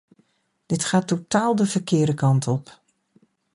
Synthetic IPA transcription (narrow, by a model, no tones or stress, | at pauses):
d̥ɪtχaːtːotaːlˠdəv̥əɹkɪːdəkɑntʰɔp